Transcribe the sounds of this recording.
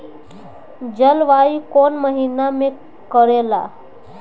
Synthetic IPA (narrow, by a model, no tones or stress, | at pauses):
d͡ʑəlʋaikonməɦiname | kəɾela̰